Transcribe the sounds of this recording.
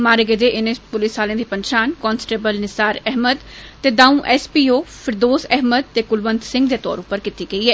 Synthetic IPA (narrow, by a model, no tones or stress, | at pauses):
maːɾəɡeːd̪eːʔɪnepʊlisaːlẽːd̪iːpənʃaːnkɔːnsʈeːbəlnɪsaːɾɛɦməd̪ | t̪eːd̪aːũːʔɛːspiːoːfʰɪɾd̪oːsɛɦməd̪̚t̪eːkʊlʋənd̪sɪ̃ŋɡd̪eːt̪ɔ̰ːɾʊpəɾkit̪iːɡəiɛː